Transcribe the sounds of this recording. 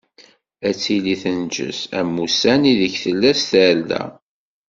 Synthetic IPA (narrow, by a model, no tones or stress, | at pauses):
æt͡sːiliθənd͡ʒə̰sæ̰mːusæniðəçθəlːæsθælːæ̰